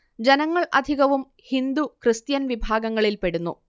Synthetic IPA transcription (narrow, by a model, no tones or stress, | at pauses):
d͡ʑenɐŋːɐɭʔɐ̰d̪ʱiɣɐʋum | hind̪ukrɨst̪jɐnʋibʱaːɡɐŋːɐɭilpe̞ɽunːṵ